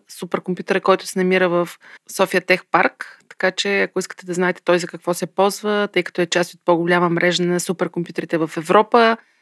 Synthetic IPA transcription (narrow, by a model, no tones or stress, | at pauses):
supɛɾkompʲjut̪əɾəkɔjt̪ʊsɛnɐmiɾəvəfsɔfiət̪ɛxpaɾkt̪ɐ̥kat͡ʃɛɐkoiskə̥t̪ɛd̪ɐznaɛt̪ɛ̥t̪ɔjzɐkɐkvɔsɛpɔlˠzvət̪ɤjkɐ̥t̪ɔɛt͡ʃast̪ot̪̚poɡʊlʲaməmɾʔɛʒənɐsupɛɾkompʲjut̪əɾit̪ɛvɐfɛvɾɔpə